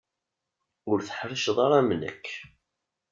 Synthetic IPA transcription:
ʊɾθə̥ħɾəʃðˤɑɾˤɑmnə̰kː

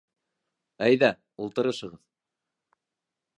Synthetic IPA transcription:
æjðæ | ulˠt̪ɤ̆ɾɤʃɤ̆ʁɤð̥

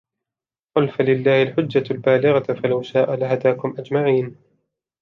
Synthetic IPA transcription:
qʊlfalɪlːaːhɪlħʊd͡ʒːalbaːlɪɣafalawʃaːʔalahad̪aːkʊmʔad͡ʒmaʕiːn

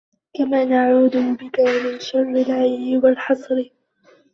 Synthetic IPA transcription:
kamaːnaʕuːd̪ʊbɪkamɪnʃɑrˤːɪlʕajlɪwalħɑsˤɾɪ

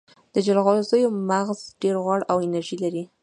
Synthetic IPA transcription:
d̪̥əd͡ʒalɣɑzəjomaɣzɖeɾɣwɑɽawɪnaɾʒilaɾi

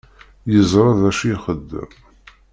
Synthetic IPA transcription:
jəzˤɾˤɑðæʃiχəd̪ːə̰m

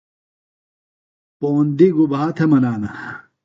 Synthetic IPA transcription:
poːnd̪iɡubaːt̪ʰemɐnaːnɐ

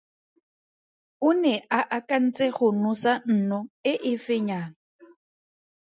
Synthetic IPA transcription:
ʊnɛʔaʔakʼan̩t͡sʼeɣʊnusan̩nɔɪʔɪfɪɲaːŋa

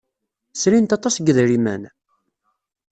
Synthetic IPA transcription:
sɾint̪ɑt̪ˤːɑsɡəðɾimæ̰n

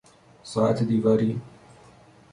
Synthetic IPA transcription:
sˤɑːt̪ʰd̪ivaɾiː

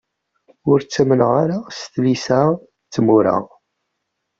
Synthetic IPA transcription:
ʊɾt͡sːæmənʁaɾast̪lisæ | t͡sːəmuɾæ̰ʁ

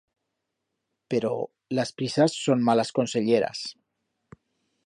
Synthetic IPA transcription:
peɾɔ | ləspɾisəsːonmaləskonseʎeɾə̰s

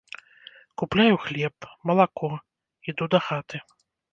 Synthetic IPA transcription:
kuplʲajuxlʲɛpmɐlˠakɔ | id̪ud̪ɐxat̪ɨ

